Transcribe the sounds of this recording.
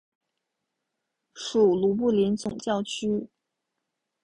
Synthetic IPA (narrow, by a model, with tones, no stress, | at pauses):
ʂu˨˩lu˧˥p̬u˥˩li˧˥nt͡sʊ˨˩ŋt͡ɕjɑ˥˩ʊt͡ɕʰy˥